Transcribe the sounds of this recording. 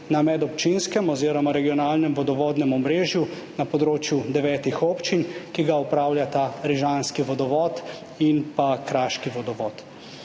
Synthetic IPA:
namɛd̪ɔpt͡ʃinskɛmɔziːɾɔmaɾɛɡiɔnaːlnɛmʋɔd̪ɔʋɔːd̪nɛmɔmɾeːʒju | napɔd̪ɾoːt͡ʃjud̪ɛʋɛːt̪ixoːpt͡ʃinkiɡaɔpɾaːwlʲjat̪aɾiʒanskiʋɔd̪ɔʋɔːt̪ | inpakɾaːʃkiʋɔd̪ɔʋɔt̪

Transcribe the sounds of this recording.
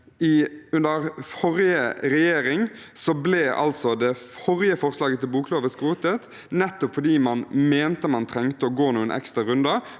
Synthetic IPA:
ɪʉnd̪əʁfɔʁɪjəɾɛjeːɾɪŋsɔblɛːʔɑ̰lsɔd̪ɛ | fɔʁjəfɔʁslɑːɡət̪ʰɪlbuːkloːʋəskʁuːt̪ət̪ | nɛt̪ːɔpfɔɖ̪iːmɑnmeːnt̪əmɑnt̪ʰʁɛŋt̪əɔɡoːnuːənʔɛ̰kst̪ʁɑɾʉnd̪ɑ

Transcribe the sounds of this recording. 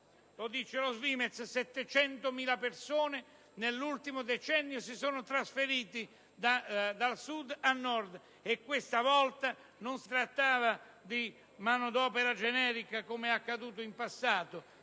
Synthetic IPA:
lod̪it͡ʃelozviːmet̪ssɛt̪ːet͡ʃɛnt̪omiːlapersoːne | nelːult̪imod̪et͡ʃɛnːjosisoːnot̪ɾasfeɾiːt̪i | d̪ad̪alsud̪anːɔrd̪ | ekːwest̪avɔlt̪a | nonsi̥t̪ɾat̪ːaːva | d̪i | maːnod̪ɔːpeɾad͡ʒɛnɛːɾikakomeakːad̪uːt̪oimpasːaːt̪o

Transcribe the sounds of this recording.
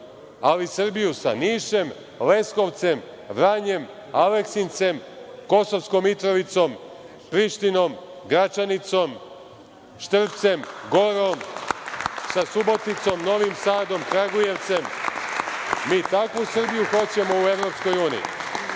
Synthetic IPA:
alisr̩bijusa̰niːʃe̞m | le̞sko̞ʋt̪se̞m | ʋɾaɲe̞m | aleksint̪se̞mko̞so̞ʋskomit̪ɾo̞ʋit̪so̞m | pɾiʃt̪ino̞mɡɾat͡ʃanit̪so̞m | ʃt̪r̩p̚t̪se̞mɡo̞ɾom | sasubo̞t̪it̪so̞mno̞ʋimsaːd̪o̞mkɾaɡuje̞ʋt̪se̞m | miːt̪akʋusr̩bijuxo̞t͡ɕe̞mo̞ue̞ʋɾo̞psko̞juːnḭḭ

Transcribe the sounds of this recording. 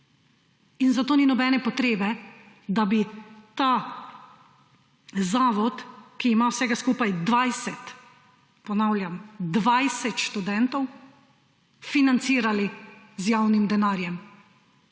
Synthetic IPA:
inzat̪oːninɔbɛːnɛpɔt̪ɾeːbɛ | d̪abit̪aː | zaːʋɔt̪kiːmawsɛːɡaskuːpajd̪ʋajsɛt̪ | pɔnawlʲjamd̪ʋajsɛt̪ʃt̪ud̪ɛnt̪ɔw | finant̪siːɾali | zjaːwnimd̪ɛnaːɾjɛm

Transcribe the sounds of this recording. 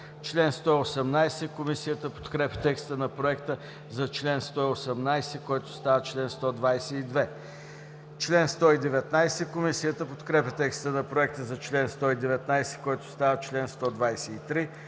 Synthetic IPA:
t͡ʃlɛnst̪ɔiosɛmnajsɛkomisijət̪əpo̥t̪kɾɛpʲə̥t̪ɛkst̪ənɐpɾoɛkt̪ə | zɐt͡ʃlɛnst̪ɔiosɛmnajsɛkoɛt̪ʊ̥st̪avət͡ʃlɛnst̪ɔd̪vajsɛid̪vɛ | t͡ʃlɛnst̪ɔid̪ɛvɛt̪najsɛkomisiət̪əpot̪kɾɛpʲɛt̪ɛkst̪ənɐpɾoɛk̚t̪əzɐt͡ʃlɛnst̪ɔid̪ɛvɛt̪̚najsɛ̥koɛt̪ʊ̥st̪avət͡ʃlɛnst̪ɔd̪vajsɛit̪ɾi

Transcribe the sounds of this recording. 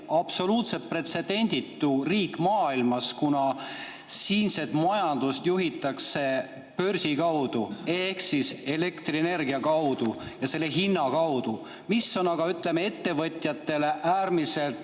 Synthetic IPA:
ɑb̥so̞luːt̪se̞pre̞t̪se̞d̪̥e̞nʲd̪̥it̪ːˑuriːkːˑmɑːilmɑskunɑ | siːnse̞t̪mɑjɑnd̪̥ust̪juɦit̪ːˑɑkse̞ | pø̞rsikɑwd̪̥ue̞hksise̞le̞kt̪riene̞rɡiɑkɑwd̪ujɑse̞lːeɦinːɑkɑwd̪̥u | misːo̞nɑɡ̥ɑyt̪ˑle̞mee̞t̪ːe̞vɤt̪ʲˑjɑt̪ːe̞le̞ʔæːrmise̞lt̪

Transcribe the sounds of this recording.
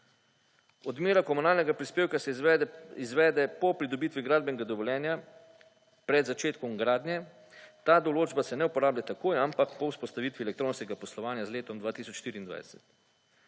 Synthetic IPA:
ɔd̪meːɾakɔmunaːlnɛɡapɾispeːwkasɛizʋɛːd̪ɛpɔpɾid̪ɔbiːt̪ʋiɡɾaːd̪̚bɛnɛɡad̪ɔʋɔljɛːnja | pɾɛd̪zat͡ʃeːt̪kɔmɡɾaːd̪nʲjɛ | t̪aːd̪ɔloːd͡ʒbasɛnɛupɔɾaːbljat̪akoːjampakpɔwspɔst̪aʋiːt̪ʋiɛlɛkt̪ɾoːnskɛɡapɔslɔʋaːnjazleːt̪ɔmd̪ʋaːt̪iːsɔt͡ʃʃt̪iːɾiːnd̪ʋa̰jd̪ɛsɛ̰t̪

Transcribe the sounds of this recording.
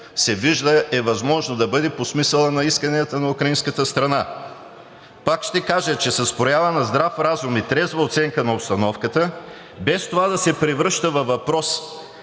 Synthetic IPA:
sɛviʒd̪əɛvɐzmɔʒnod̪ɐbɤd̪ɛposmisɛlˠənɐiskɐniət̪ənɐukɾɐinskət̪əst̪ɾɐna | pakʃt̪ɛkaʒət͡ʃɛsɐspɾojavɐnɐzd̪ɾafɾazumit̪ɾɛzvɐot̪sɛŋkənɐopst̪ɐnɔfkət̪ə | bɛst̪ovad̪ɐsɛpɾivɾɤʃt̪əvɐvɐpɾɔs

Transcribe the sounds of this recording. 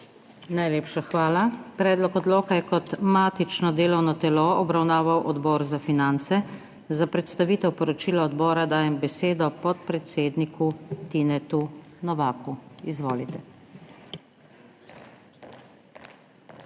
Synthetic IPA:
najleːpʃaxʋaːlapɾɛːd̪lɔkɔd̪loːkajɛkɔt̪maːt̪it͡ʃnɔd̪eːlɔwnɔt̪ɛloɔbɾawnaːʋawʔɔd̪bɔːɾzafinant̪sɛ | zapɾɛt̪st̪aʋiːt̪ɛwpɔɾɔt͡ʃiːlaɔd̪bɔːɾad̪aːjɛmbɛseːd̪ɔpɔt̪̚pɾɛt̪seːd̪nikut̪inɛt̪unɔʋaːkuizʋoːlit̪ɛ

